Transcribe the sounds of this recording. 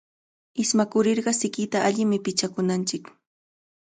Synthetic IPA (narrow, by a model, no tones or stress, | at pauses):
ɪsmakʊɾɪɾɢɑsɪkɪt̪aʔaʎɪmɪpɪt͡ʃakʊnant͡ʃɪk